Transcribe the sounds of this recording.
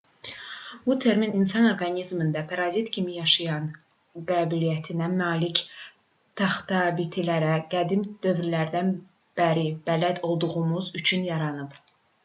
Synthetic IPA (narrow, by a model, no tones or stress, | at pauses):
but̪ʰeɾmininsɑno̞ɾɡɑnizmind̪æpʰɑɾɑzit̪cʰimijɑʃɯjɑn | ɡɑːbilijæt̪ʰinæmɑːlic | t̪ʰɑχt̪ɑːbit̪ʰilæɾæɡ̥æd̪imd̪̥ø̞vɾilæɾd̪æn | b̥æɾib̥ælæd̪o̞lˠd̪uʁumuzyt͡ʃʰynjɑɾɑnɯb